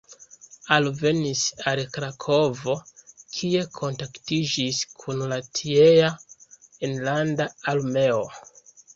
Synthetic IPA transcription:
alve̞nisalkɾakʰo̞vo̞kʰie̞kʰo̞ntaktid͡ʒiskʰunlatʰiea | enlandaːlme̞o

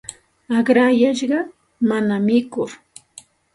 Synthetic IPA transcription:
aɢɾajaʃɢɑ | manamɪkʊɾ

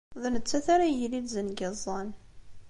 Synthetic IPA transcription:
ðnət͡sːæθaɾajəlid̪zənɡəzˤːɑn

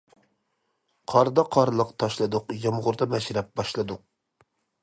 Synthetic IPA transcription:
qʰɑɾd̪ɑqʰɑɾlˠəqt̪ʰɑʃlˠɨd̪ʊqjɑmʁʊɾd̪ɑmɛʃɾɛp̚bɑʃlˠɨd̪ʊq̚

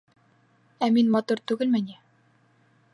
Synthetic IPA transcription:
æminmɒt̪uɾt̪ʉɡɘ̆lmɘni

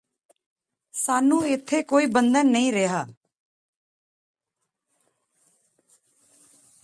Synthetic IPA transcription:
saːnũːɪt̪ʰːeːkoːiːbənd̪ənːəĩːɾeɦaː

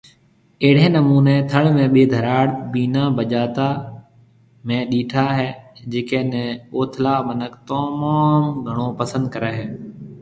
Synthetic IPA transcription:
eːɽ̤ẽːnəmuːneːt̪ʰəɽmẽːɓeːd̪ʱəɾaːɽbiːnãːbəʄaːt̪aː | mẽːɗiːʈʰaːɦeːd͡ʒeːkeːnẽːoːt̪ʰlaːmənəkt̪oːmaːmɡʱəɽ̃oːpəsə̃nd̪̚kəɾeːɦeː

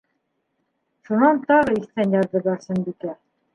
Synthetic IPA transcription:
ʃunɑnt̪ɑʁɤist̪ænjɑɾðɤ̆lɑɾsɤnbikæ

